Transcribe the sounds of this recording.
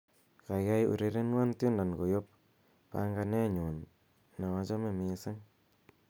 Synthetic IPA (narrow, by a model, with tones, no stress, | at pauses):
ka˨ja˦jṵ˨ɾe˦ɾe˦nwa˦ntju˦nda˨nko˨jo˦p̚ | pa̰ŋɡa˧nɛ˦ɲu˨n | na˨ŋa˨t͡ʃɔ˦me˨mi˨sa˦ŋ